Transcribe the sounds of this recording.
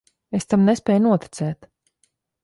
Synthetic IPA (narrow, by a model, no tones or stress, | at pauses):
est̪amnespʲɛːjnuɔt̪i̥t̪sɛːt̪